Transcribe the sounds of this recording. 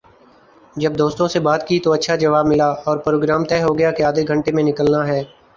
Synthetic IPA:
d͡ʒɐb̚d̪oːst̪õsebaːt̪kit̪oɐtːʃʰad͡ʒɐʋaːbmɪlaɔːɾpɾoːɡɾaːmt̪ɛːɦoɡɐjakeaːd̪eɡʱɐ̃ɳʈemẽnɪkəlnaɦɛː

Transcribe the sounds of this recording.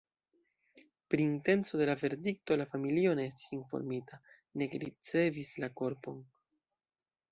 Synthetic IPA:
pɾiːnte̞nt͡so̞de̞lave̞ɾdik̚to̞lafamilio̞ne̞esti̥sinfo̰ɾmitʰa | ne̞kɾḭt͡se̞vislako̞ɾpo̞n

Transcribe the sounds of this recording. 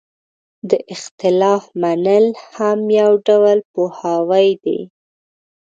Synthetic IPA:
d̪əʔɪxt̪ɪlɑfmanəlhamjawɖawlpohawajd̪ḛ

